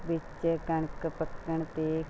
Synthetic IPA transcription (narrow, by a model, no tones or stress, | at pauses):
ʋɪt͡ʃkəɳkəpəkːəɳt̪eː